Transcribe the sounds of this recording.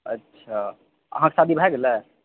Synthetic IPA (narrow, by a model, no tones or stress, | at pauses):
ə̰tːʃʰa | ə̰ɦãkesad̪ʱibʱaɛɡelɛ